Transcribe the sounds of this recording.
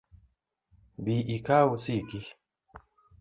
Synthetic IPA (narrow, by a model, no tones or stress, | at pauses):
biʔikausiɡi